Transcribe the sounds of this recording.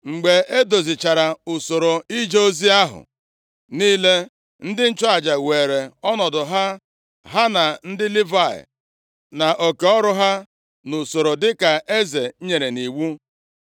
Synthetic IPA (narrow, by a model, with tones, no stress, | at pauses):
ŋ͡m̩˨ɡ͡be˨e˦do˨zi˨t͡ʃa˨ɾa˨ʊ˨so˨ɾo˨i˦d͡ʒo˦zi˦a˦ɦʊ̰˨ | niː˦le˦ | n̩˦dɪ˦n̩˦t͡ʃɔ˦a˨d͡ʒa˨weː˨ɾe˨ɔ˦nɔ˨dʊ˨ɦa˦ | ɦa˦na˨n̩˦dɪ˦li˦va˦˨ɪ̰˨ | na˨ʔo˨ke˨ɔ˦ɾʊ˦ɦa˦ | nʊ˨so˨ɾo˨dɪ˦ka˨ʔe˦ze˨˦ɲe˨ɾe˨ni˨wu˦